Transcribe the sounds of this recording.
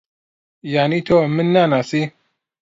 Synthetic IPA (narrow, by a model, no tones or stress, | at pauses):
janit̪ʰomɨnːanasi